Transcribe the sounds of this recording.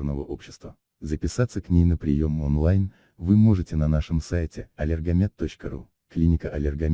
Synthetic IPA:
rnəvəʔo̞pɕːɪ̥st̪və | zəpʲɪsat̪səknʲejnəpɾʲɪ̰jo̞monlˠajn | vɨmo̞ʐɨtʲɪnɐnaʂɨmsajtʲɪɐlʲɪrɡɐmʲet̪ːot͡ɕkəɾu | klʲinʲɪkəʔɐlʲɪrɡɐ

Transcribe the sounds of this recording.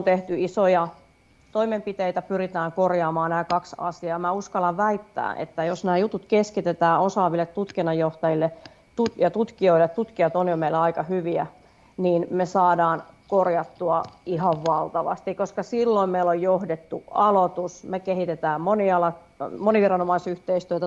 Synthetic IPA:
ont̪eht̪yisojɑ | t̪oimempit̪eit̪æpyrit̪æːŋkorjɑːmɑːnæːkɑksɑ̰siɑːmæuskɑlɑʋʋæit̪ːæ̰ːʔḛt̪ːæjosnæːjut̪ut̪keskit̪et̪æːosɑːʋilːet̪tut̪kinːɑjjoht̪ɑjilːe | t̪ujɑt̪ut̪kioilet̪t̪ut̪kiɑt̪onjomeilːɑikɑhyʋiæ | niːnmesɑːdɑːn | korjɑt̪ːuɑihɑʋʋɑlt̪ɑʋɑ̰st̪ikoskɑsilːoimmeilojjohdet̪ːuɑlot̪usmekehit̪et̪æːmmoniɑlɑ | moniʋirɑnomɑisyht̪eist̪yøt̪æ

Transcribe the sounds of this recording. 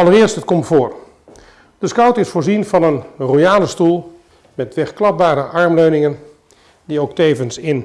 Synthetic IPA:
ɑlˠərɪəɹstɦət̚kɔmtfoːr | d̥əskʌwtɪsfʊːɹzinvɑnənrojaːləstulˠ | mɛtʋɛχklɑp̚baːɾəʔɑɹmløɥnɪŋən | diowktejvənsɪn

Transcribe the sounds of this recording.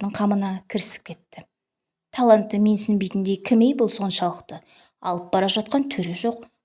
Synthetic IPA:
d̪əɴqʰɑmənɑkʲʰɪɾɪsɪ̥p̚kʲʰe̞t̪ːɪ | t̪ʰɑlˠant̪ːəme̞nsɪnbejt̪ɪnd̪e̞kʲʰɪmejbʊlˠso̞nʃɑlˠəqt̪ə | ɑ̰lˠəp̚bɑɾɑʒɑt̪̚qɑnt̪ʰʏɾe̞ʒo̞q̚

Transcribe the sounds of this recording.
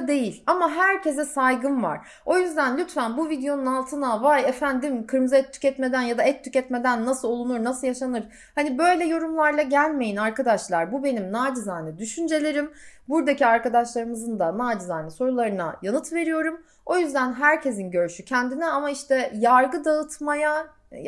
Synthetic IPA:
d̪e̞jilʲamaɦæɾcʰe̞zɛsajɡɯnva̰ɾ̥ | o̞jyzd̪ænlʲyt̪fænbuvid̪ejo̞nunalˠt̪ʰɯnavajefænd̪imkʰɯɾmzaɛt̪ʰːy̥cɛt̪me̞d̪ænjad̪aɛt̪ʰːycɛt̪me̞d̪ænːasɯlˠolˠunuɾnasɯljaʃanɯɾ̥ | hanibø̞jlʲɛjo̞ɾumlˠaɾlˠaɟælʲme̞jinaɾkad̪aʃlˠaɾbubenimnaːd͡ʒɯzanɛd̪yʃynd͡ʒe̞lʲe̞ɾimbuɾd̪aciaɾkad̪aʃlˠaɾɯmɯzɯnd̪anaːd͡ʒɯzaaniso̞ɾulˠaɾɯna̰janɯt̪ve̞ɾijo̞ɾum | o̞jyzd̪ænɦæɾcʰe̞zinɟø̞ɾʃycʰɛnd̪inɛamaiʃt̪ʰɛjaɾɡɯd̪aɯt̪ʰmaja

